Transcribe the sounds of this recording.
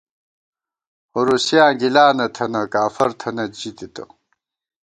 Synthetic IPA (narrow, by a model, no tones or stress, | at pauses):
hoɾusjaːɡilaːnɐt̪ʰɐnɐkaːfɐɾt̪ʰɐnɐd͡ʑit̪it̪ɐ̰